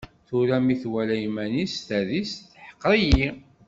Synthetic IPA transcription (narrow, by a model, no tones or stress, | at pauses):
θuɾæmiθwælæjmænist̪æðisθħə̥qːɾˤiji